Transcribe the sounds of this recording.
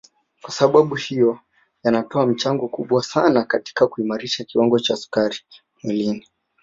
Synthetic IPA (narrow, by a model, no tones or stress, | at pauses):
kwasaɓaɓuhijɔ | janatɔam̩t͡ʃaŋɡɔkuɓwasanakati̥kakuimaɾiʃakiwaŋɡɔt͡ʃaːsu̥kaɾi | milini